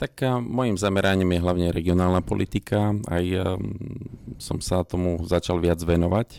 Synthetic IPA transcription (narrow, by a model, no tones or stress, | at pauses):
t̪akmɔjimzamɛɾaɲimjɛɦlaʊɲɛɾɛɡiɔnaːlnapɔ̰lit̪ikʰaa̰j | sɔ̰msat̪ɔmuzat͡ʃalʋɪad͡zʋɛnɔʋac